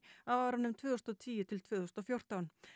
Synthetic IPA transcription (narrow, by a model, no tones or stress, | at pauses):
awvaɾanːʏmt̪ʰvøːðʏst̪ɔt̪ʰiːjɪt̪ʰɪlt̪ʰvøːðʏst̪ɔfjowr̥t̪awn